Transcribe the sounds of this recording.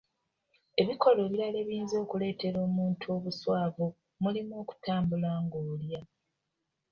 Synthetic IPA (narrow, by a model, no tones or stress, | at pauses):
e̞βiko̞lo̞ːβiɾale̞ːβiːnzo̞ːkule̞ːte̞ɾo̞ːmuːntʰuo̞ːβuswaːvo | mulimoːku̥taːmbulaːŋɡoːlja